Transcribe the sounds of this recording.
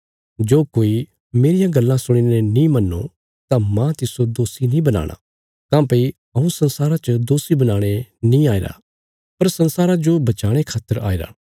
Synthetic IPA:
d͡ʒoːkoːi | meːɾɪjãɡɐlːãsʊɽ̃inenĩmɐnːo̰ | t̪amãt̪ɪsod̪oːsinĩbɐna̰ːɽ̃a̰ | kãːpɐi | ɐũsɐ̃nsaːɾat͡ʃəd̪oːsibɐnaːɽ̃enĩaːeːɾa̰ | pɐɾsɐ̃nsaːɾad͡ʒobɐt͡ʃaːɽ̃ekʰaːt̪ːəɾa̰ːeːɾa̰ː

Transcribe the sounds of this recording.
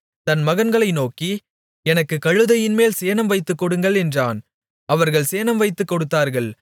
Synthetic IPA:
t̪ɐnmɐɣɐnɡɐɭɐɪnoːki | ɛnɐkːɯkɐɻɯðɐjɪnmeːlseːnɐmʋɐɪt̪ːɯkːɔɽɯŋɡɐɭɛndraːn | ɐʋɐɾɣɐɭseːnɐmʋɐɪt̪ːɯkːɔɽɯt̪ːaːɾɣɐɭ

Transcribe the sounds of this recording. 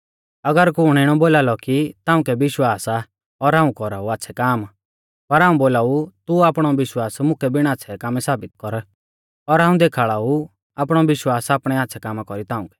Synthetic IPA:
ɐɡəɾkuʊɽ̃ɛɽ̃ɔboːlaːlɔkit̪aːũkɛʋɪʃwaːsa | ɔɾɦãːũkɔɾauaːtːʃʰɛkaːm | pɐɾɦaːũboːlaːut̪uaːpɽ̃ɔʋɪʃwaːsmʊkɛbɪɽ̃aːtːsʰɛkaːmɛsaːbɪt̪̚kɔɾ | ɔɾɦaːũd̪eːkʰaːɭaːu | aːpɽ̃ɔʋɪʃwaːsaːpɽ̃ɛatːʃʰɛkaːmakɔɾit̪ãːʊ̃kɛ̥

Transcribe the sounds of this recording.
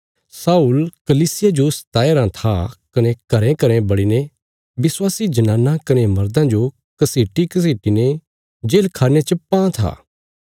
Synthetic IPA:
saːulkɐliːsɪjad͡ʒosɐ̥t̪aːeɾãt̪ʰakɐnekɐɾẽkɐɾẽbɐɽine | bɪswaːsid͡ʒɐnãːnːãkɐnemɐɾd̪ãd͡ʒo | kɐseːʈikɐs̬eːʈine | d͡ʒeːlkʰaːnet͡ʃɐpːãt̪ʰa̰ː

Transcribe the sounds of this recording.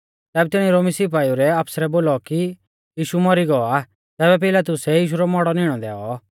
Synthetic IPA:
t̪ɛːbɛt̪ɪɽ̃ĩɾoːmisip̬aːjuɾɛapsɾɛboːlɔki | jiːʃumɔɾiɡɔa | t̪ɛːβɛp̬ɪlat̪ʊsɛjiːʃ̬uɾɔmɔɽɔnɪɽ̃ɔd̪ɛːɔ

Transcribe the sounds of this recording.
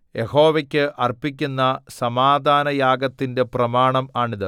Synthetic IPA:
je̞ho̞ːʋekʲːɨʔɐrpik̬ʲːunːɐsɐmaːd̪ʱaːnɐjaːɡɐt̪ːinde̞prɐmaːɳɐmaːɳiðɨ

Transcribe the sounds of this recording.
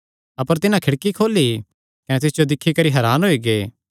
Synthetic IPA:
ɐpəɾt̪ɪnãkʰɪɽkikʰoːli | kɐnɛt̪ɪsd͡ʒod̪ɪkʰːikɐɾiɦɐɾaːnɦoiɡeː

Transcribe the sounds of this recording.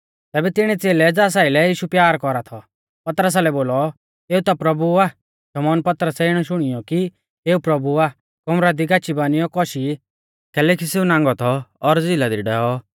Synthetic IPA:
t̪ɛːbɛt̪ɪɽ̃ɛt͡seːlɛd͡zaːs̬aːɪlɛjiːʃupjaːɾkɔɾat̪ʰɔ | pɐt̪ɾəs̬alɛboːlɔ | eːut̪apɾɐbuaː | ʃɐmɔːnpɐt̪ɾəsɛɪɽ̃ɔʃʊɽ̃ɪjɔki | eːupɾɐbuaː | kɔmɾad̪iɡaːt͡ʃibaːnijɔkɔʃi | kʰɛlɛkiseːunãːŋɡɔt̪ʰɔːɾd͡zilad̪iɖɛːɔ

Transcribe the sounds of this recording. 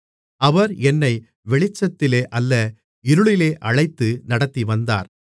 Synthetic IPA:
ɐʋɐɾɛnːɐɪ | ʋɛɭɪt͡ʃːɐt̪ːɪleːʔɐlːɐ | ɪɾɯɭɪleːʔɐɻɐɪt̪ːɯnɐɽɐt̪ːiʋɐnd̪a̰ːɾ

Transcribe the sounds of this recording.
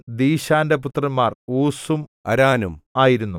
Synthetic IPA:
d̪iːɕaːndeput̪rɐnmːaːruːsumɐ̰ɾaːnumaːjiɾunːu

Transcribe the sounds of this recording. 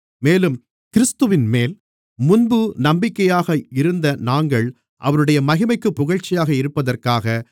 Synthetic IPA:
meːlɯm | kɪɾɪst̪ɯʋɪnmeːl | mʊnbɯnɐmbɪkːɐjaːɣɐɪɾɯnd̪ɐnaːŋɡɐɭ | ʔɐ̰ʋɐɾɯɽɐjɐmɐɣɪmɐɪkːɯpːʊɣɐɻt͡ʃːɪjaːɣɐɪɾɯpːɐðɐrkaːɣɐ

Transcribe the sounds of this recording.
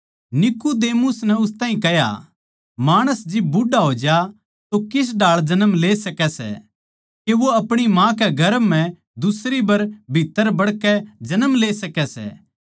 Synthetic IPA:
nɪkud̪eːmʊsnɛʊst̪ãːɦĩkɛɦja̰ | maːɽ̃əsd͡ʒɪbːʊɖaɦoːd͡ʒa | t̪okɪs̬ɖaːɭd͡ʒɐnəmleːsɐkɛsɛ̰ | keʋoɐpɽ̃imãkɛɡʱɐɾəmːɛ̃ | d̪ʊsɾibɐɾbʱit̪ːəɾbɐɽkɛd͡ʒɐnəmleːsɐkɛsɛ̰ː

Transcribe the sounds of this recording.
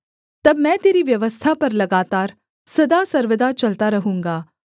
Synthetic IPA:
t̪ɐbmɛ̃ːt̪eːɾiʋjɐʋəst̪ʰapɐɾlɐɡaːt̪aːɾ | sɐd̪asɐɾʋəd̪at͡ʃɐlt̪aɾɐɦũːŋɡaː

